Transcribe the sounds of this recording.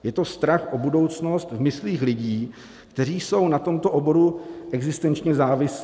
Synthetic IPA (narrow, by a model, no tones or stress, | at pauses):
jɛt̪o̞st̪ɾaxʔobudo̞wt͡sno̞st̪vmɪsliːxlɪɟiː | kt̪ɛr̝iːso̞wnat̪o̞mt̪o̞ʔobo̞ɾuʔɛɡzɪst̪ɛnt͡ʃɲɛzaːvɪs